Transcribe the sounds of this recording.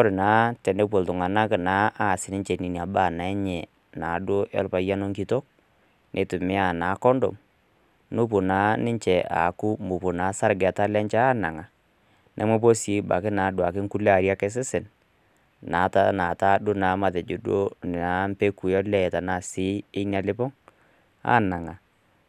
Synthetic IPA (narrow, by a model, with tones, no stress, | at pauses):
ɔ˦ɾnaː˨˦tɛ˨ndɛ˦p̬o˨ltʊ˨ŋa˨na˦knaː˨˦a˦˨sɪ˨nɪ˦ɲt͡ʃɛ˨ni˨ni˨a˨ba˦˨na˨ɛ˦ɲɛ˨ | naː˨˦do˦ʔɛ̰˦lpa˨˦ja˦no˦ŋki˦to˦k̚ | nʔe˨˦tʊ˨mɪ˦a˨naː˨˦kɔ˦ndɔ̰˨m | nʊ˦p̬ʊ˨naː˨˦nɪ˦ɲt͡ʃɛ˨ʔa̰˨ku˦mbʊ˨pʊ˨na˨˦sa˦ɾɡɛ˨ta˦lɛ˦ɲt͡ʃaː˦na˨ŋa˨ | nʔɛ˦mwɛ˦p̬o˦si˨˦ba˨kɪ˦na˨˦dʊ˨a˨kɪ˦ŋku˦lɛ˦a˨ɾja˦kɛ˦s̬ɪ˦sɪ˨n | naː˨˦ta˦na˨ta˦dʊ˦naː˨˦ma˨tɛ˨d͡ʒʊ˨do˦n˨na˨˦m̩˦pe˦ku˨jɔ˦lɛ˦˨ta˨na˦˨sɪ˦ɪ˦na˨lɪ˦pɔ˦ŋ | a̰ː˦na˨ŋa˨